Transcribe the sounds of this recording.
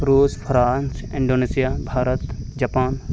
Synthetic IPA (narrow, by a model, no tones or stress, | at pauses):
ɾuːspʰɾaːnsɪ̃ɳɖoːneːsijabʱaːɾət̪d͡ʒɐpaːn